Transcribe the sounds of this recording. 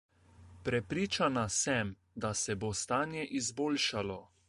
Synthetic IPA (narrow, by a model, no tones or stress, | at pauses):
pɾɛpɾiːt͡ʃanasɛm | d̪asɛbost̪aːnjɛʔizboːlʃalɔ